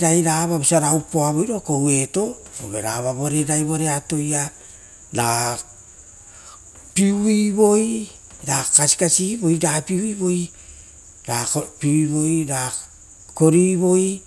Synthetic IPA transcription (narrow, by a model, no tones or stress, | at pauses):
ɾajɾaβabosiaɾaupoaβojɾo̞ko̞we̞to̞o̰ɡḛɾaβaβo̞ɾe̞ɾajβo̞ɾe̞ato̞ja | ɾa | piuiβo̞j | ɾakasi̥kasibo̞jɾapiuiβo̞j | ɾapiiβo̞jɾa | ko̞ɾiβo̞j